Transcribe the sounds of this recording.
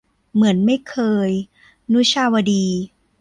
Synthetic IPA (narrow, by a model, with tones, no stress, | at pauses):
mɯ˩˦ənma˥˩jkʰɤː˧j | nu˦˥t͡ɕʰaː˧wa˧diː˧